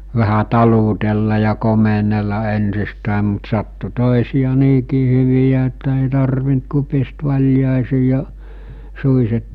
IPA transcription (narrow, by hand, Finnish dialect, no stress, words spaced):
ʋæhæ tɑlutelːɑ jɑ komenelːɑ ensistæˑem mut sɑtːu toˑesiˑjɑ niːkiː hyʋijæ etːæ eˑiˑ tɑrʋint ku pist ʋɑlʲjɑˑesiː jɑ suiset